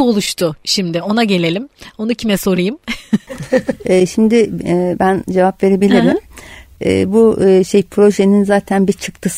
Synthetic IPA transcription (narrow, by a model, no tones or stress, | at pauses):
o̞lˠuʃt̪ʰʊʃimd̪ɪo̞naɟe̞lʲe̞lʲimo̞nucʰimɛso̞ɾɯjɯm | ɛːʃimd̪ɪɛbænd͡ʒe̞vapve̞ɾe̞bilʲiɾimɛ̰ːbuʃejpʰɾo̞ʒe̞ninzaːt̪ʰænbit͡ʃʰɯkt̪ʰɯs